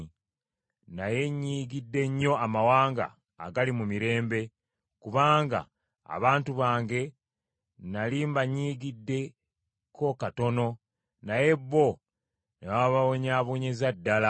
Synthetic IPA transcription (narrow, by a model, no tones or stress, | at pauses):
naje̞ɲːiːɡidːe̞ɲːo̞amawaːŋɡa̰ː | ɡalimumiɾe̞ːmbe̞ | kuβaːŋɡa̰ː | βaːntuβaːŋɡe̞ | naliːmbaɲːiːɡidːe̞ | kʰo̞kato̞no̞ | naje̞bːo̞ | newaβawoɲaːβuːɲezadːala